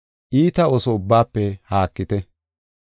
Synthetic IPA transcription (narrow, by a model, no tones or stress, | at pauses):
ʔiːt̪ɐɔsɔʊbːaːpːɛhaːkːɪt̪ɛ